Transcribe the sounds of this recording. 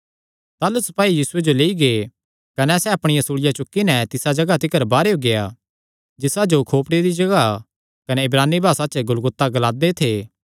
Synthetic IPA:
t̪aːlʊsɐ̥paːijiːsʊed͡ʒoleːiɡee | kɐnɛsɛɐpɽ̃ɪjãsuːɽɪjat͡ʃʊkːinɛt̪ɪsad͡ʒɐɡat̪ɪkəɾbaːɾeoɡeja | d͡ʒɪsad͡ʒokʰoːpɽed̪id͡ʒɐɡa | kɐnɛɪbɾaːnːibʱaːsat͡ʃɡʊlɡʊt̪ːaɡɐlaːd̪et̪ʰeː

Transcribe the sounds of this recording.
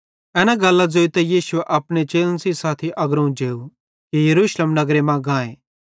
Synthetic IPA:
ɛːnaɡɐlːad͡ʒoːit̪ɛjiːsʊeʔɐpɽ̃et͡ʃeːlənsisaːt̪ʰiʔɐɡɾũd͡ʒeːu | kijɐɾuːʃlemnɐɡɾemãɡãːẽː

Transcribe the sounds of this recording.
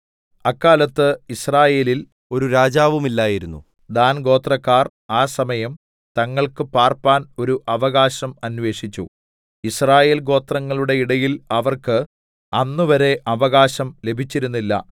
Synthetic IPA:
ɐkːaːlɐt̪ːɨisraːje̞ːlil | o̞ɾuɾaːd͡ʑaːʋumilːaːjiɾunːṵ | d̪aːnɡo̞ːt̪rɐkːaːr | aːsɐmɐjɐm | t̪ɐŋːɐɭkɨpaːrpaːno̞ɾuʔɐʋɐɣaːɕɐmɐnʋe̞ːʂit͡ɕːu | israːje̞ːlɡo̞ːt̪rɐŋːɐɭuɽe̞iɽɐjilɐʋɐrkɨ | ɐnːuʋɐɾe̞ʔɐʋɐɣaːɕɐmle̞bʱit͡ɕːiɾunːilːɐ̰

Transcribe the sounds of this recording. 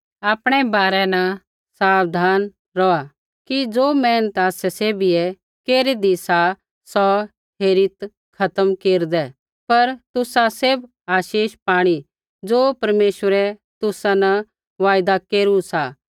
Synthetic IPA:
aːpɽ̃ɛbaːɾɛnɐ | saːʋd̪ʱaːn | ɾɔa | kid͡zoːmɛːnət̪aːsɛseːbiɛ | keːɾid̪isa | sɔ | ɦeːɾɪt̪ | kʰɐt̪əmkeːɾd̪ɛ | pɐɾt̪ʊsaseb | aːʃiːʃpaːɽ̃i | d͡zoːpɐɾmeːʃʋəɾɛt̪ʊsanɐ̃ | ʋaːjd̪akeːɾusa

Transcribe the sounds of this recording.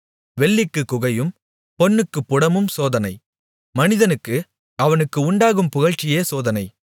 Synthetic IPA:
ʋɛɭːɪkːɯkːʊɣɐjɯm | pɔnːɯkːɯpːʊɽɐmɯmsoːðɐnɐɪ | mɐnɪðɐnɯkːɯ | ɐʋɐnɯkːɯʊɳɖaːɣɯmpʊɣɐɻt͡ʃːɪjeːsoːðɐnɐɪ

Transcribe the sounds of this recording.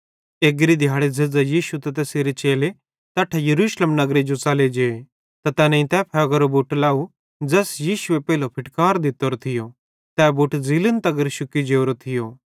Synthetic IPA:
eːɡɾid̪ʱjaːɽed͡zed͡zajiːʃut̪ɐt̪ɛːseɾet͡ʃeːle | t̪ɐːʈʰejɐɾuːʃləmnɐɡɾed͡ʒot͡sɐled͡ʒee | t̪at̪ɛːnɐ̃ĩt̪ɛpʰɛɡəɾobuːʈlaːu | d͡zɛːsjiːʃuepɛːlopʰɪʈkaːɾd̪ɪt̪oɾot̪ʰɪjo | t̪ɛːbuːʈd͡zilənt̪ɐɡəɾʃʊkid͡ʒeːoɾot̪ʰɪjo

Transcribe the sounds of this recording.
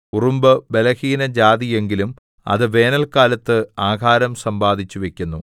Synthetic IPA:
urumbɨbe̞lɐhiːnɐd͡ʑaːd̪ije̞ŋɡilum | ɐ̰ðɨʋe̞ːnɐlkaːlɐt̪ːɨaːɡʱaːɾɐmsɐmbaːd̪ʱit͡ɕːuʋe̞kʲːunːu

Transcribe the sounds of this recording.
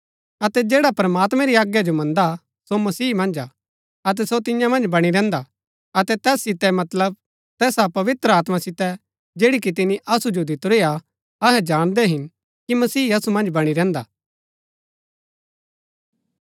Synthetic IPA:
ɐt̪ɛd͡ʒeːɽapɾəmaːt̪mɛɾiaːɡjad͡ʒomɐ̃nd̪a | somɐsiːmɐ̃nd͡ʒa | ɐt̪̬ɛsot̪ɪ̃jãmɐ̃nd͡ʒbɐɽ̃iɾɛ̃ːnd̪a | ɐt̪ɛt̪ɛːsːɪt̪ɛmɐt̪ləb̚ | t̪ɛːsapɐʋɪt̪ɾəaːt̪masɪt̪ɛ | d͡ʒeːɽik̬it̪̬ɪniʔɐsud͡ʒod̪ɪt̪ɾea | ɐɦɛd͡ʒaːɽ̃d̪ɛɦɪn | kimɐsiːɐsumɐ̃nd͡ʒbɐɽ̃iɾɛ̃ːnd̪a̰ː

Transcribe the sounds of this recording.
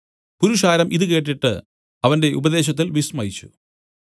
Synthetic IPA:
puɾuʂaːɾɐmʔiðɨke̞ːʈːiʈːɨ | ɐʋɐnde̞ʔubɐðe̞ːɕ̬ɐt̪̬ːilʋismɐjit͡ɕːṵ

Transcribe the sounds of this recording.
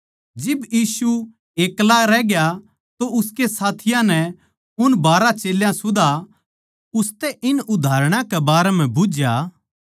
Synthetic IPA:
d͡ʒɪbjiːsu | eːklaɾɛːɡja | t̪oʊskesaːt̪ʰɪjãnɛ | ʊnbaːɾat͡ʃeːljãsʊd̪a | ʊst̪ɛʔɪnʊd̪ʱaːɾɽ̃ãkɛbaːɾɛm̤ɛ̃bʊd͡ʒja

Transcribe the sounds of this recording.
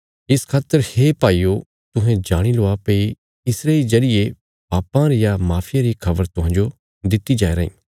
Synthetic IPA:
ɪskʰaːt̪ːəɾhepaːiːo | t̪ʊɦɛ̃d͡ʒaːɽ̃iloːapei | ɪsɾed͡ʒɐɾɪje | paːpãɾejamaːpʰɪjãɾikʰɐbəɾt̪ʊɦãːnd͡ʒo | d̪ɪt̪ːid͡ʒaːeɾɐḭ̃ː

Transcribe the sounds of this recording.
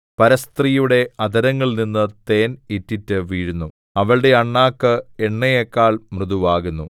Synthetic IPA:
pɐɾɐst̪rijuɽe̞ɐd̪ɐɾɐŋːɐɭninːɨt̪e̞ːnitːitːɨʋiːɻunːu | ɐʋɐɭɽe̞ɐɳːaːkːɨeɳːɐjekːaːɭmrɨðuʋaːɣunːu

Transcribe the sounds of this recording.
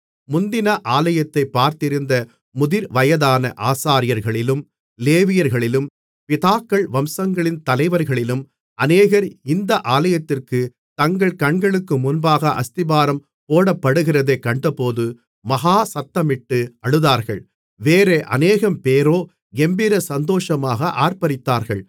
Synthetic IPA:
mʊnd̪ɪnɐʔaːlɐjɐt̪ːɐɪpːaːɾt̪ɪɾɯnd̪ɐ | mʊðɪɾʋɐjɐðaːnɐʔaːsaːɾɪjɐɾɣɐɭɪlɯm | leːʋɪjɐɾɣɐɭɪlɯm | pɪðaːkːɐɭʋɐmsɐŋɡɐɭɪnt̪ɐlɐɪʋɐɾɣɐɭɪlɯm | ɐneːɣɐɾɪnd̪ɐʔaːlɐjɐt̪ːɪrkɯ | t̪ɐŋɡɐɭkɐɳɡɐɭɯkːɯmʊnbaːɣɐʔɐst̪ɪbaːɾɐm | poːɽɐpːɐɽɯɣɪrɐðeːkːɐɳɖɐpoːðɯ | mɐɣaːsɐt̪ːɐmɪʈːɯɐɭɯðaːɾɣɐɭ | ʋeːɾeːʔɐ̰neːɣɐmpeːɾoː | ɡɛmbɪɾɐsɐnd̪oːʂɐmaːɣɐʔaːɾpɐɾɪt̪ːaːɾɣɐɭ

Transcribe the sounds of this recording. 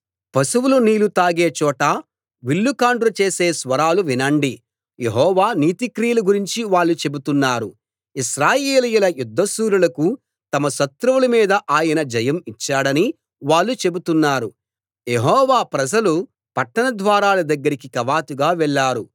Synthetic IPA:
pɐsuwuluniːlut̪aːɡeːt͡ʃɔːʈɐ | ʋiɭːukaːɳɖɾut͡ʃe̞ːseːsʋɐɾaːluʋinɐɳɖi | jeɦɔːʋaːniːt̪ikɾijɐluɡuɾiɲt͡ʃiʋaːɭːut͡ʃe̞but̪unːaːɾu | iʃɾaːjeːlɐjulɐjud̪ʱːɐsuːɾulɐku | t̪ɐmɐʃɐt̪ɾuʋulɐmiːd̪ɐʔaːjɐnɐd͡ʒɐjɐmit͡ʃːaːɽɐni | ʋaːɭːut͡ʃe̞but̪unːaːɾu | jeɦɔːʋaːpɾɐd͡ʒɐlu | pɐʈːɐnɐd̪ʋaːɾaːlɐd̪ɐɡːɐɾikikɐʋaːt̪uɡaːʋɛɭːaːɾu

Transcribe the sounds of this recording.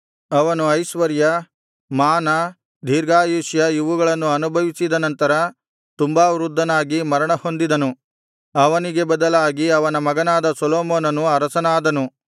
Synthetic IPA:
ɐʋɐnuɐjʃʋɐɾjɐ | maːnɐ | d̪ʱiːɾɡaːjuʃjɐiʋuɡɐɭɐnːuɐnubʱɐʋisid̪ɐnɐnt̪ɐɾɐ | t̪umbaːʋɾud̪ːɐnaːɡimɐɾɐɳɐho̞nd̪id̪ɐnu | ɐʋɐniɡe̞bɐd̪ɐlaːɡiɐʋɐnɐmɐɡɐnaːd̪ɐsɔloːmoːnɐnuɐɾɐsɐnaːd̪ɐnu

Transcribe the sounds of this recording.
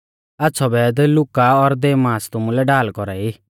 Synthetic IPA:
atːsʰɔbɛd̪lʊkaɔɾd̪eːmaːst̪ʊmulɛɖaːlkɔɾai

